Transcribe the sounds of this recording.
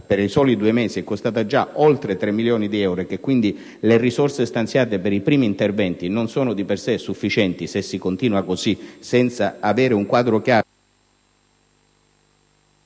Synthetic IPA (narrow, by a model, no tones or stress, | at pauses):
peɾisɔːlid̪uːemeːsiɛkːost̪aːt̪ad͡ʒaolt̪ɾet̪ɾemːiljɔːnid̪iɛwɾek̟ekwind̪i | lerisɔrsest̪ant̪sjaːt̪epeɾipɾiːmiːnt̪ervɛnt̪inonsɔːnʊd̪ipersesufːit͡ʃɛnt̪isesːikont̪iːnuakosisɛnt̪saaveːɾeuŋkwaːd̪ɾokjaː